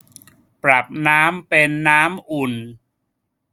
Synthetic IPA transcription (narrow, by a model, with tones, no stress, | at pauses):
pɾa˨˩p̚naː˦˥mpe˧nːaː˦˥mʔu˨˩n